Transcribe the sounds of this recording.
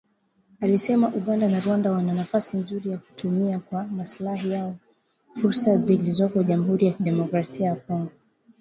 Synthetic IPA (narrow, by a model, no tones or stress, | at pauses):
alisɛmaʔuɠandanaɾwandawananafasinzuɾijaku̥tumiakwamaslaɦijaɔ | fuɾsazilizɔkɔʄamuɦuɾijakiɗɛmɔkɾasiajakɔŋɡɔ